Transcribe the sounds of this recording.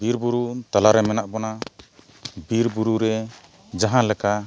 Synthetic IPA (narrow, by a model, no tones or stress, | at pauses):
biɾbuɾut̪alaɾɛmɛnaʔbɔna | biɾbuɾuɾɛ | d͡ʒaɦãlɛka